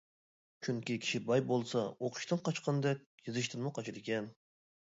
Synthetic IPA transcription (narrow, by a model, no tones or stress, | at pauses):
t͡ʃʰyŋkʲikʲʰi̥ʃibɑjbolˠsɑoqʰʊ̥ʃt̪ɨnqʰɑt͡ʃqʰənɨd̪ɛk̚ʲjɨzɨʃt̪ɨnmuqʰɑt͡ʃʰid̪ɨkʲɛn